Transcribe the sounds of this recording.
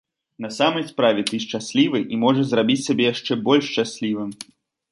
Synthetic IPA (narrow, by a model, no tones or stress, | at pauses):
nɐsamɐjspɾavʲɛt̪ɨʂt͡ʂasʲlʲivɨjʔimɔʐɐzrabʲit͡sʲsʲabʲɛjaʂt͡ʂɛbɔlʲʂt͡ʃasʲlʲivɨm